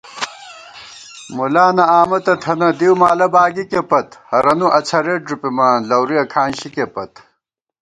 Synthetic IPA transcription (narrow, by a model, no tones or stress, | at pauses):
mulaːnɐaːmɐt̪ɐt̪ʰɐnɐd̪iwmaːlɐbaːɡikepɐt̪hɐɾɐnuʔɐt͡sʰɐɾeʈ̚ɾupimaːnlɐwɾiɐkʰaːnɕikepɐt̪